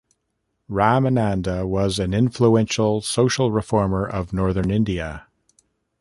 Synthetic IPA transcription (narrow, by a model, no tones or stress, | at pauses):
ɹæmɨnæ̃ndəwʌzɨ̃nɪ̃ɱfluɛ̃nʃl̩ˠsoʊʃl̩ˠɹɨfɔɹmə˞ʔʌvnɔɹðə̃˞nɪ̃ndiɨ